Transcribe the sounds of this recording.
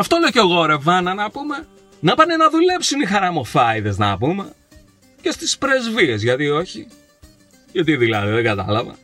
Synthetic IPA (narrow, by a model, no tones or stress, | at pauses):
ɐft̪oleoceoɣo̞ɾe̞vɐnɐnɐpume̞ | nɐpɐneenɐðule̞psinixɐɾɐmofɐiðeznɐ̰pume̞ | ce̞st̪ispɾe̞zvie̞zʝɐt̪io̞çi | ʝɐt̪iðilɐ̰ðiðeɡɐt̪ɐ̰lɐvɐ̰